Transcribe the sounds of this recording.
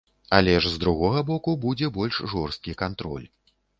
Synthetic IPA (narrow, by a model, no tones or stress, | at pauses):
alʲɛʂzd̪ɾuɣɔɣɐbɔkubud͡zʲɛbɔlʲʂʐɔrst̪̚kʲikant̪ɾɔ̰lʲ